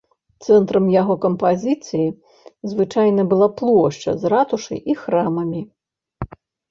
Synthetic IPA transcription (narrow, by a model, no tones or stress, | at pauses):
t̪sɛnt̪ɾɐmjaɣɔkɐmpazʲit̪sɨji | zvɨt͡ʂajnɐbɨlˠaplˠɔʂt͡ʂɐ̰zrat̪uʂɐ̰jʔixɾamɐmʲi